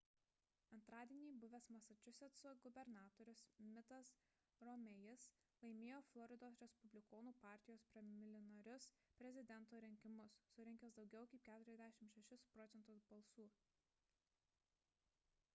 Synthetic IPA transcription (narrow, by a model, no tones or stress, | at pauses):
ɐnt̪ɾɑːd̪ʲiɛnʲiːbʊʋʲɛsmɐsɐt͡ʃʲʊsʲɛt̪soɡʊbʲɛɾnɑːt̪oːɾʲʊsmʲɪt̪ɐs | ɾɔmʲɛjɪs | lˠɐɪmʲeːjoːflˠɔɾʲɪd̪oːsɾʲɛspʊbʲlʲɪkoːnuːpɑˑɾʲt̪ʲɪjoːspʲɾʲɛmʲɪlʲɪnɐɾʲʊs | pʲɾʲɛzʲɪd̪ʲɛnˑt̪oːɾʲɪŋʲkʲɪmʊsːʊɾʲɪŋʲkʲɛsd̪ɒʊɡʲɛʊkɐɪp̚ʲkʲæːt̪ʊɾʲɛzd̪ʲæʃʲɪmʃʲɛʃʲɪspɾɔt̪sʲɛnt̪ʊsbɐlˠsuː